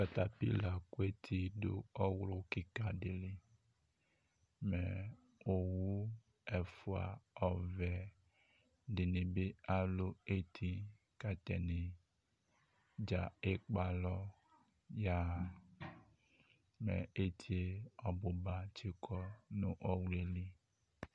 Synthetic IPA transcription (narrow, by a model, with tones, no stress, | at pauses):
ka˨t̪a˨pḭ˦la˨ku˦e˦t̪ʰi˦do̰˦ɔ˦wlo˦ki˦ka˨de˨li˨ | mɛ˨ | o˨wu˦ | ɛ˨fu˨a̰˨ɔ˨vɛ˨ | dɪ˨nɪ̃˨be˦a˦lo˦e˦t̪ʰi˦ | ka˨t̪ɛ̰˨ne˨ | d͡ʒa˨e˦k͡pa˨lɔ˦ | ja˦˨ | mɛ̰˨e˦t̪ʰi˦e˦ɔ˨bo˨ba˨t͡ʃe˦kʰɔ˦nũ˦ʔɔ˦wle˦li˦